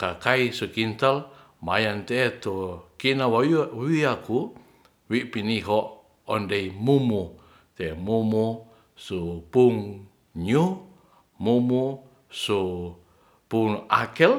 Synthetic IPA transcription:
kakaisukint̪al | ma̰jant̪et̪okinawaiaku | wiʔpiniɦɔʔ | ɔndeimumu | t̪emumu | supuŋ | ɲu | mumu | su | puŋa̰kɛl

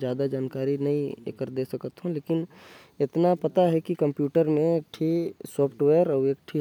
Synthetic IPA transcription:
zjaːd̪ad͡ʒaːnkaːɾinɐĩḛkəɾd̪eːsɐkət̪ɦõleːkɪn | ɪt̪napɐt̪aɦɛkikɐ̃mpjuːʈəɾmẽek̚ʈʰisɔːpʰʈʋeːəɾɔːeːkʈʰi

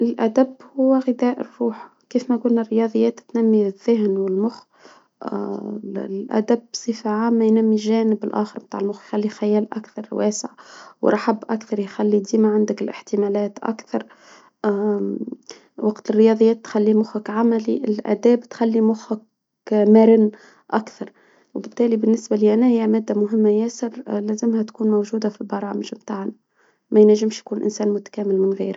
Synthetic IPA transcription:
ʔɪlʔæd̪æbhʊwːæɣɪd̪æːʔɪrːuːħ | kiːfmæɡʊlnærːɪjɑːd̪ˤjːæːt̪t̪næmːiðːɪɦnwɪlmʊx | lʔæ̰d̪absˤiːfaʕaːmːæjnæmːiʒæːnɪbɪlʔæ̰ːxəɾbt̪aːʕɪlmʊxjxalːixæjæːlʔa̰kθɑɾˤwæːsɪʕwɾˤɑħabːʔakθɑɾˤjxalːid̪iːmaʕand̪ɪkɪlʔɪ̰ħt̪ɪmæːlæːt̪ʔa̰kθɑɾˤ | wɑqt̪ɪrːɪjɑd̪ˤəjːæːt̪ːxælːimʊxʊkʕamæliʔɪlʔæ̰ːd̪æːbt̪xælːimʊxʊk | mæɾɪnː | ʔakθɑɾˤ | wɪbɪt̪ːæːlibɪnːɪsbaliʔænæhɪjːæmæːd̪ːamʊɦɪmːajæːsɪɾlæzɪmhæt̪kuːnmawʒuːd̪afilbɑɾˤɑːmɪʒmt̪aːʕna | mæjnæʒːɪmʃjkuːnʔɪ̰nsæːnmʊt̪æ̥kæːmɪlmɪnɣḭːɾ

